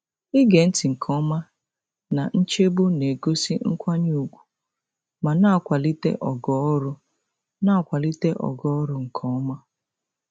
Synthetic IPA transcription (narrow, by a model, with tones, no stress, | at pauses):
ɪ˦ɡe˨n̩˦ti˨ŋ̩˨kʰɔ˦ma˦ | na˨n̩˦t͡ʃe˦bʊ˦ne˨ɡo˦si˦ŋ̩˦kʷa˦ɲu˦˨ɡʷu̥˨ | ma˨na˦˨kʷa˨li˦tḛ˦ʔɔ˨ɡɔ˦ɾʊ˦ | na˦˨kʷa˨li˦te˦ʔɔ̰˨ɡɔ˦ɔ˦ɾʊ˦ŋ̩˨kʰɔ˦ma˦